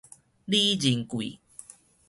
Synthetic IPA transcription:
li˦d͡ʑi˨˩ŋkwḭ˨

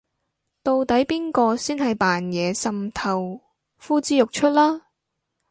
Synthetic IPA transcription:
t̪o˧wt̪ɐ˨˥jpiː˥nkɔː˧siː˥nɦɐ˨jpaː˨˩njɛː˨˧sɐ˨mt̪ʰɐ˨˩w | fuː˥t͡siː˥jʊ˨k̚t͡ʃʰɵ˥t̚laː˥

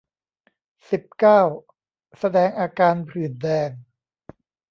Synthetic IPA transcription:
si˨˩p̚kaː˥˩w | sa˧dɛː˧ŋʔaː˧kaː˧npʰlɯː˨˩ndɛː˧n

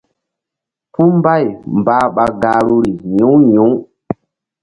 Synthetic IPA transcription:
pu˦m˦ba˦˨jm˨baː˨˦ɓa˨ɡa˨ɾu˦ɾi˨ɲũ˨˦ɲũ˨˦

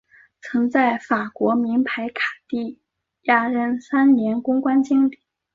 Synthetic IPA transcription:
t͡sʰɤ˧˥ŋt͡sa˥˩ɪfa˨˩kwɔ˧˥mi˧˥npʰa˧˥ɪkʰḁ˨˩t̪i˥˩ | ja˥ɻə˥nsa˥nnjɛ˧˥nkʊ˥ŋkwa˥nt͡ɕi˥ŋli˨˩˦

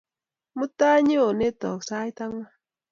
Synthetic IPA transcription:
mu˦ta˦ɲe˦o˨ne˦tɔ˨ksa˦jta˦ŋwa˦

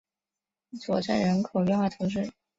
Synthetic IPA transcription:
t͡swɔ˨˩ʈ͡ʂa̰˥˩nɻə˧˥nkʰo˨˩ɥwɛ˥˧nxwa˥˩t̪ʰʊ˧˥ŋʂɻ̩˥˩

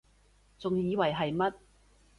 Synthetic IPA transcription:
t͡sʊ˨ŋjiː˨˧wɐ˨˩jɦɐ˨jmɐ˥t̚

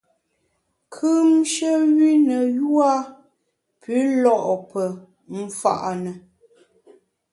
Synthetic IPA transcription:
kʰʉ˦mʃə˦ɣi˦nə˨ju˦a˦ | pʰi˨˦lɔ˦˨ʔpə˨ | m̩˨fa̰˨ʔnə˨

